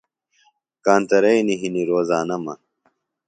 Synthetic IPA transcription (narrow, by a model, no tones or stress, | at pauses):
kaːnt̪ɐɾɐjniɦiniɾoːzaːnɐmɐ̰